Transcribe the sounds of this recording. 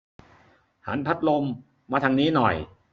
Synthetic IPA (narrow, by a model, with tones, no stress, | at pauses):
ha̰˩˦npʰa˦˥t̪̚lo˧mː | aː˧t̪ʰa˧ŋniː˦˥nɔ˨˩j